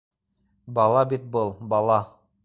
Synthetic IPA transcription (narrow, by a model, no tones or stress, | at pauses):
bɑlˠɑbit̪̚bɤlˠbɑlˠɑ